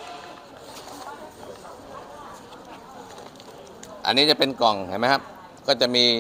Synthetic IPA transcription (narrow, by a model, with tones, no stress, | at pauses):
ʔa̰˧nːiː˦˥t͡ɕa˨˩pe˧nkɔ˨˩ŋha˨˩jma˦˥jkʰa˦˥p̚ | kɔː˥˩t͡ɕa˨˩miː˧